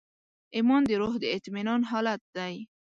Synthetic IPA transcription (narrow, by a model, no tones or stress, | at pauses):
ɪmɔnd̪əɾoɦd̪əɪt̪minɑnɦɑlat̪̚d̪aj